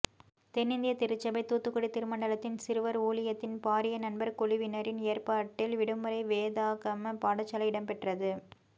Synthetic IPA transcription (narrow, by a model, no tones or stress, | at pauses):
t̪ɛnːɪnd̪ɪjɐt̪ɪɾɯt͡ʃːɐbɐɪt̪uːt̪ːɯkːɔɽit̪ːɪɾɯmɐɳɖɐlɐt̪ːɪnsɪɾɯʋɐɾuːlɪjɐt̪ːɪnpaːɾɪjɐnɐnbɐɾkɔlɪʋɪnɐɾɪneːrpaːʈːɪlʋɪɽɯmɯɾɐɪʋeːðaːɣɐmɐpaːɽɐt͡ʃːɐlɐɪɪɽɐmpɛʈrɐðɯ